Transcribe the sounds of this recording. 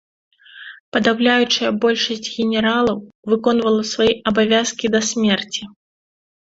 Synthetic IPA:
pɐd̪awlʲajut͡ʂɨjɐbɔlʲʂɐsʲt͡sʲɣʲɛnʲɛɾalˠɐwvɨkɔn̪vɐlˠɐsvajiʔɐbavʲaskʲid̪ɐsʲmʲɛrt͡sʲi

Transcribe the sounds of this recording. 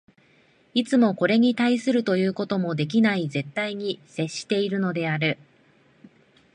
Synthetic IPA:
it͡sɨmo̞ko̞ɾe̞ɲ̟it̪aisɨɾɯ̟t̪o̞jɯ̟ːko̞t̪o̞mo̞d̪e̞k̬ʲinaize̞t̪ːaiɲ̟ise̞ɕːi̥t̪e̞iɾɯ̟no̞d̪e̞aɾɯ̟

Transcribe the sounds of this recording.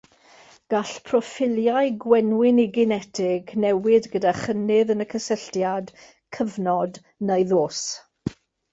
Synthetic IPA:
ɡ̥aɬpʰrɔfɪljaɨɡwɛnwɪniɡɪnɛtʰɪɡnɛwɪdɡədaχənɪðənəkʰəsəɬtjad | kʰəvnɔd | nejðoːs

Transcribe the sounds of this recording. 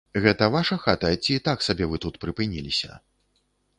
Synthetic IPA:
ɣɛt̪ɐvaʂɐxat̪ɐt͡sʲiːt̪aksabʲɛvɨt̪ut̪pɾɨpɨnʲilʲisʲɐ̰

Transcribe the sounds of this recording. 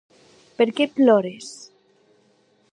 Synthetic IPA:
peɾkeplɔɾes

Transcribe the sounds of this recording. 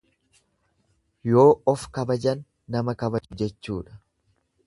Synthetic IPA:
jo̞ːʔɔfkɐbɐd͡ʒɐnː | ɐmɐkɐbɐd͡ʒʊd͡ʒɛt͡ʃːṵːᶑɐ̥

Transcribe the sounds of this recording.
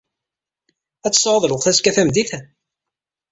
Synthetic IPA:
æt͡sːsˤʕəðˤlʊʁθæskæθæmd̪iθæ

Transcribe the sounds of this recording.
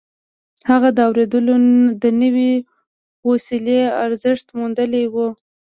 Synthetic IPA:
haɣad̪əawɾed̪əlod̪ənəwi | wosileaɾzɪʂt̪mund̪əlewu

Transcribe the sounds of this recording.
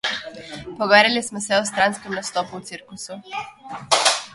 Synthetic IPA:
poɡeɾilismoseost̪ɾanskemnast̪opuːt̪siɾkusu

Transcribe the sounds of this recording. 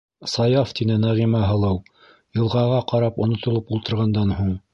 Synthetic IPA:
sɑjɑft̪inɘnæʁimæɦɤ̆lˠɤw | jɤ̆lˠʁɑʁɑqɑɾɑpŏnŏt̪ŏlˠopulˠt̪ɤ̆ɾʁɑnd̪ɑnhuɴ

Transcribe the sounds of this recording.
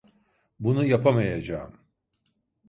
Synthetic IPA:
bunujapʰamajad͡ʒaːm

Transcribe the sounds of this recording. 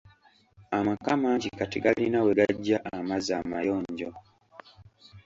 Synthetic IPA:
amakamaɲɟikatiɡalinaweɡaɟːaʔamazaːmajoːɲɟo

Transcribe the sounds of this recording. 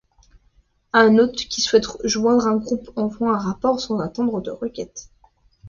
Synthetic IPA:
ɛ̃not̪χkʲiswɛt̪ʒwɛ̃d̪ʁɛ̃ɡʁupɑ̃fɑ̃ɛ̃ʁapɔʁsɑ̃zat̪ɑ̃d̪ʁəd̪əʁəkʲɛt̪

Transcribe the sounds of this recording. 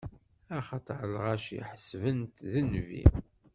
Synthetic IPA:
æχɑt̪ˤʕəlʁæʃḭħəsvənt̪ðənvḭ

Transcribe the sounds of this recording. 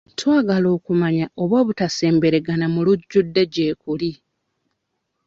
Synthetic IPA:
twaːɡalo̞ːkumaɲao̞βoːβutase̞ːmbe̞ɾe̞ɡanamuluɟːudːeɟe̞ːkuli

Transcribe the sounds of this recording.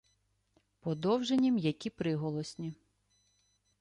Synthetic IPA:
pɔd̪ɔwʒenʲimjɐkʲipɾɪɦɔlˠɔsʲnʲi

